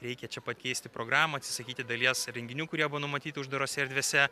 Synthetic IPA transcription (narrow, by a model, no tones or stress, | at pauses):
ɾʲɛɪkʲɛt͡ʃʲɛpɐt̪kʲɛɪsʲt̪ʲɪpɾoːɡɾɑːmɐɐt̪ʲsʲɪ̥sɐkʲiːt̪ʲɪd̪ɐlʲiɛsɾʲɛŋʲɡʲɪnʲuːkʊɾʲiɛbʊʋoːnʊmɐt̪ʲiːt̪ʲɪʊʒd̪ɐɾoːsʲɛɾʲd̪ʲʋʲeːsʲɛ